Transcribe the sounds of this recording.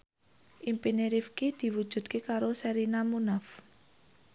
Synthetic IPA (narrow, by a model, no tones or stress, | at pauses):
ʔimpineɾifkid̪̥i̤wud̥ʒ̥ṳd̪̚kekaɾosɛɾinamunaf